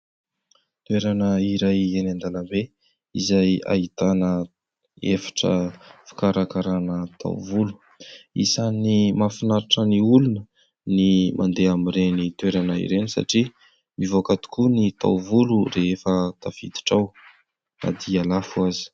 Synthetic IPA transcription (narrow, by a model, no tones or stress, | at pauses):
t̪weɾanəiɾajenand̪aləmbe | izaja̰it̪anə | efḁʈ͡ʂə̰fi̥kaɾakaɾanət̪ʰa̰wvulu̥ | ḭsanimafinaɾaʈ͡ʂəniulunə | nimʔa̰nd̪eamirenit̪weɾanəḭɾenisa̰ʈ͡ʂi | mivokat̪u̥kunit̪a̰wvulureefət̪afḭd̪i̥ʈ͡ʂaw | a̰d̪ialafuazi̥